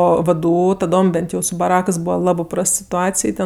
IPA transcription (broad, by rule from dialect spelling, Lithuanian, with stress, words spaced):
ˈoː ʋdˈuː tɐˈdoːm ˈbʲɛnt jɛʊ sʊ bɐˈrɑːkɜs ˈbuːʋɐ ˈlˠɑːbɜ ˈprɐst sʲɪtʊˈɑːt͡sʲɪj ˈtʲɛn